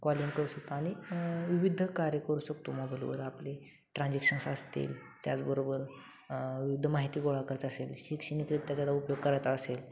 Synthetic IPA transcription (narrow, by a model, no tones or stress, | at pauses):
kɔliŋkəɾuːɕək̚t̪oaɽ̃iʋiʋid̪ʱːəkaɾjəkəɾuːɕəkt̪oməbʱəɾo̰ʋəɾaple | ʈɾãnd͡ʑekʂənsəst̪ḛl | t̪jat͡sbəɾobəɾ | ʋiʋid̪ʱːəmaɦit̪iːɡoɭakəɾət̪əselɕikɕənikɾit̪ːjat̪jalaupjoɡ̚kəɾat̪aːsel